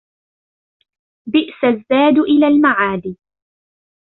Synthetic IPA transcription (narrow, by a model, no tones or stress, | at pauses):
bɪʔsazːaːd̪ʔɪlaːlmaʕaːd̪i